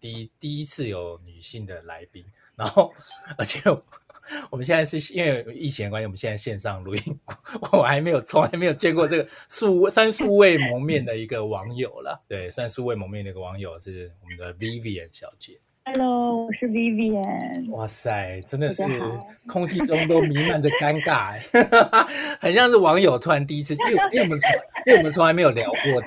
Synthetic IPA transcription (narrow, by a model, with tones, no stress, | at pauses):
t̪i˧t̪i˥˧i˦t͡s̩ʰ˥˩jo˨˩ʊny˨˩ɕi˥˩ŋd̪ə˩la˧˥ɪpi˥ŋ | na˧˦ŋxo˥˧ʊə˞˧˥t͡ɕʰjɛ˨˩ | wɔ˨mə˦ɕ̬jɛ˥˧na˥˧ʂɻ̩˥˩˥i˥nwe˥˩ɪi˥˩t͡ɕʰi˧˥n˧kwa˥nɕĩ˥˨m˦ɕjɛ˧˥t͡sa˥˧ɕjɛ˥˧nʂɑ˥˩ŋlu˧˥i˥˩ŋwɔ˨˩˨mə˦xa˧˥ɪme˧˥ɪjo˨˩ʊt͡sʰʊ˧ŋla˧˥me˧˥jo˨˩t͡ɕjɛ˥ŋkwɔ˥˧ʈ͡ʂɤ˥˩ɡə˩su˥˧e˥˩swa˥˦nsu˥˧we˥˩ɪmɔ˧˥ŋmjɛ˥˩nd̪ə˩i˧˥ɡə˧wɑ˧˦˥ŋjo˨˩ʊlə̰˩t̪we˥˩ɪswa˥nsu˥˧we˥˩ɪmɔ˧˥ŋmjnd̪ə˩i˧ɡə˨wɑ˧˥ŋjo˨˩ʊʂɻ̩˥˩wɔ˨˩mə˦nd̪ə˨vi˥˦vi˧ə̰˨˦nɕjɑ˨˩ʊt͡ɕjɛ˨˩ | a˧lo˥˧˥ʊwɔ˨˩ʂɻ̩˥˧vi˥vi˥˩ə˨nwɔ˥˩sa˥˩ɪʈ͡ʂə˦˥nd̪ə˨ʂɻ̩˥˩kʰʊ˥ŋt͡ɕʰi˥ʈ͡ʂʊ˥ŋt̪o˥ʊmi˧˥ma˧˦nd͡zə˨ka˥nka˥˩ | xə˨˩nɕjɑ˥˧ŋʂ̩˥˩wɑ˧˥ŋjo˨˩ʊt̪ʰu˥a˧˦nt̪̬i˧i˥t͡sʰɻ̩˥˧˥wɔ˨mə˧˦˥wm˨˧nt͡sʰʊ˧˥ŋa˧˥m˧˥jo˨˩ljɑ˨˩ʊkwɔ˥˩